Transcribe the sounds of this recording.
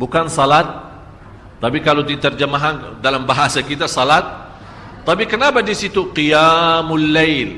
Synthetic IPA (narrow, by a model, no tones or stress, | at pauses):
bukansalat̪̚ː | apikalod̪it̪ərd͡ʒəmaɦandalambaɦasakit̪asalat̪̚ː | apikənapadisit̪uqijamulːejl